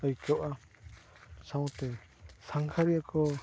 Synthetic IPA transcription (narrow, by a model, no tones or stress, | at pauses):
əjkɔwʔa | sawt̪ɛ | saŋkʰaɾiakʰɔ